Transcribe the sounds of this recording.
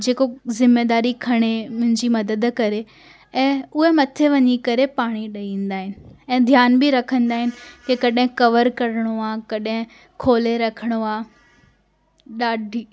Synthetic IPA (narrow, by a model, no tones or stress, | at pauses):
d͡ʑeːkozɪmːeːd̪aːɾikʰɐɽ̃emʊ̃ɦɪ̃ɲd͡ʑimɐd̪əd̪kɐɾe | ɛ̃ːʊɦemɐt̪ʰeʋɐɲikɐɾepaːɽ̃iɗɐĩːn̆d̪aːɦɪnɪ̆ɛ̃ːd̪ʱjaːnbɪɾɐkʰə̃nd̪aːɦɪnɪ̆kekɐɗɦɪ̃kɐʋəɾkɐɾəɽ̃oaːkɐɗɦɪ̃ | kʰoːleɾɐkʰəɽ̃oaː | ɗaːɖʱiː